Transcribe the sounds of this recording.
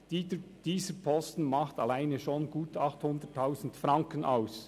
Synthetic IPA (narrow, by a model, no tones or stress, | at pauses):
d̥iːzəpʰɔstn̩mɑχtɑlaɪneʃonɡuːtʰɑχthʊndətʰːaʊzn̩tfɾɑŋkənʔaʊs